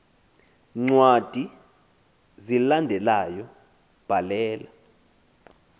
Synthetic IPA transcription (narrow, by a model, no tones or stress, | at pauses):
ŋ͡ǀwad̥ʱi | zilandʱɛlajɔ | b̥ʱalɛːla